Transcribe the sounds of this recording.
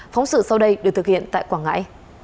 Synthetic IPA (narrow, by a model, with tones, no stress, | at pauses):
fɔ˨˦wŋ͡msɨ̰˧˨sa˧wɗə˧jɗɨ˨˩t̪ɨ˨˩khʰḭ˧˨ənt̪a̰ː˧˨jkwaː˧˩ŋa̰ː˧˥j